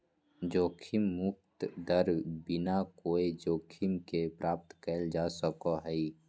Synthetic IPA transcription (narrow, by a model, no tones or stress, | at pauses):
d͡ʒoːkʰɪmːʊk̚t̪d̪əɾbɪnakoːed͡ʒoːkʰimkepɾaːp̚t̪kəld͡ʒaːsəkoɦɛi